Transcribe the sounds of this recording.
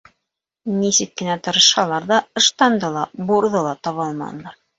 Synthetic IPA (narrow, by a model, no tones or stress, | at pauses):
nisɘk̚kɘ̆næt̪ɤ̆ɾɤ̆ʃhɑlˠɑɾðɑɤ̆ʃt̪ɑnd̪ɤlˠɑbuɾðɤlˠɑt̪ɑβɑlˠmɑ̰nlˠɑɾ